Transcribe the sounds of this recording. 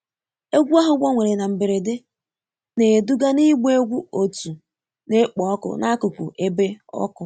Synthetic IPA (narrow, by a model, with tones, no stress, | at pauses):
e˦ɡʷu˦a˦ɦʊ˨ɡʷɔ˦ŋʷe˨ɾe˨na˨m̩˨be˨ɾe˨de˦ | ne˨du˦ɡa˦ni˦ɡ͡be˦ɡʷu˦o˨tu˨ | ne˦k͡pɔ˨ɔ˦kʊ̰˨na˦a˦kʊ˨kʷṵ˨ʔe˦be˦ɔ̰˦kʊ˨